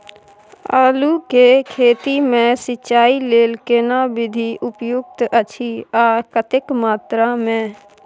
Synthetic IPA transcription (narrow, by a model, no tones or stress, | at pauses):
aːlukekʰeːt̪imẽsɪt͡ʃːaːileːlkeːnabɪd̪ʱiʔʊpjʊk̚t̪ət͡ʃʰiaːkət̪ɪkmaːt̪ɾamẽ